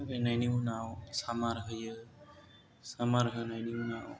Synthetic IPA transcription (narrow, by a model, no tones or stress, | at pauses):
ɾenajniwnawsamaɾɦəjɯ | samaɾɦənajniwnaw